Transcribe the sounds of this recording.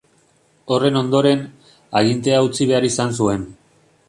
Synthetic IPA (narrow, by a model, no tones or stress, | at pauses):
o̞re̞no̞nd̪o̞ɾe̞n | aɣ̞int̪e̞aut͡siβ̞e̞aɾisans̬ue̞n